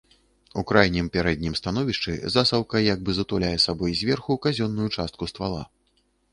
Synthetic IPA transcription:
ukɾajnʲimpʲaɾɛd̪̚ʲnʲimst̪anɔvʲiʂt͡ʂɨ̰zasɐwkɐjaɡ̚bɨzɐt̪ulʲajɛsabɔjzʲvʲɛrxukazʲɔnːujut͡ʂast̪kust̪valˠa̰

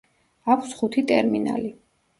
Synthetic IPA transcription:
akʷʰsχut̪ʰit̪ʼɛɾmina̰li

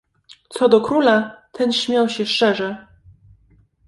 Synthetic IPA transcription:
t̪sɔd̪ɔkɾulat̪ʰɛnɕmʲjawɕɛʂt͡ʂɛʐɛ

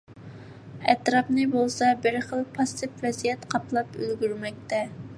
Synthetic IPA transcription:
ɛt̪ɾɑpnɨbolˠsɑbɪɾχəlˠpʰɑsɨpvɛzijɛt̪qʰɑplˠɑpø̰lɡʲyɾmɛk̚ʲt̪ɛ

